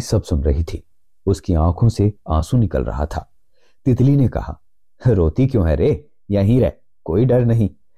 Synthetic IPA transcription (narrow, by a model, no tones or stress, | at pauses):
sɐbsʊnɾɐɦit̪ʰiː | ʊskiãːkʰõseãːsũnɪkə̰lɾɐ̰ɦa̰t̪ʰa̰ː | t̪ɪt̪linekɐ̰ha̰ː | ɾoːt̪ikjõːɦɛɾe | jɐɦĩɾɛɦ | koːiɖɐɾnɐɦĩ